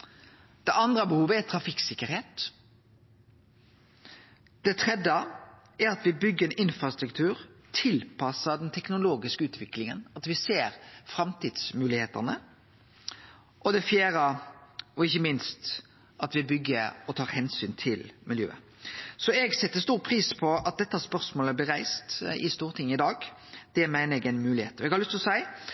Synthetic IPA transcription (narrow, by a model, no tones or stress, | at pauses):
d̪̥ɛɑnd̪ɾəbəhuːʋəæt̪ʰɾɑfɪksɪkːəɾheːt̪ | d̪̥ɛt̪ʰɾɛd̪ə | æɾɑt̪ʋɪbʏɡːəɛnɪnfɾɑst̪ɾʉkt̪ʰʉːɾt̪ʰɪlpʰɑsəd̪ɛnt̪ʰɛknʊloːɡɪskəʉːt̪ʋɪklɪŋə̰nɑt̪ʋɪseːɾfɾɑmt̪iːd̪smʉːlɪheːt̪ɑnə | ʔɔd̪ɛfjeːɾə | ɔɪçːəmɪnst̪ | ɑt̪ʋɪbʏɡːəɔt̪ʰɑːɾhɛnsyːnt̪ʰɪlmɪljø̰ːə̰ | sɔɛɡsɛt̪ːəst̪uːɾpʰɾiːspʰɔɑt̪̚d̪ɛt̪ːəɑspœʁsmoːləblɪɾæɪst̪ɪst̪uːɾt̪ʰɪŋːəɪd̪ɑːɡ | d̪̥ɛmæɪnəɾɛɡɛnmʉːlɪhḛːt̪ɔɛɡhɑɾlʉst̪ɪlɔsæɪ